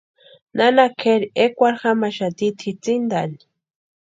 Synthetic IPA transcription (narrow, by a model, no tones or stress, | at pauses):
nanakʰeɾiekʷaɾxamaʃat̪it̪ʰit͡sind̪ani̥